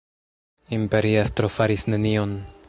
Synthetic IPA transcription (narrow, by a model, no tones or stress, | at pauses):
impe̞ɾiastɾo̞faɾisne̞nio̞n